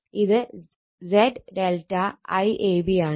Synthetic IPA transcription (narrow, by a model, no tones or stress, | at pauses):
iðɨ | zeɖɖelʈɐɐjʔeːbijaːɳ